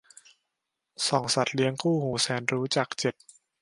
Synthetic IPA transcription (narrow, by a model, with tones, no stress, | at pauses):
sɔː˩˦ŋsa˨˩t̪̚li˦˥əŋkʰuː˥˩huː˩˦sɛː˩˦nɾuː˦˥t͡ɕaː˨˩k̚t͡ɕe˨˩t̪̚